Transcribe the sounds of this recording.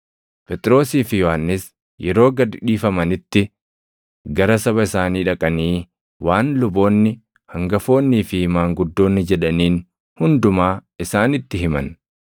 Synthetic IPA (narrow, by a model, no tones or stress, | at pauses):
pɛt̪ʼɾo̞ːsiːfɪjɔhanːɪs | jɛɾo̞ːɡɐd̪ᶑiːfɐmɐnɪt̪ːɪ | ɡɐɾɐsɐβɐɪsaːniːᶑɐkʼɐniː | waːnlʊbo̞ːnːɪ | hɐŋɡɐfo̞ːnːiːfɪhmaːŋɡʊd̪ːo̞ːnːɪd͡ʒɛᶑɐniːn | hʊnd̪ʊmaːɪsaːnɪt̪ːɪɦɪmɐ̰n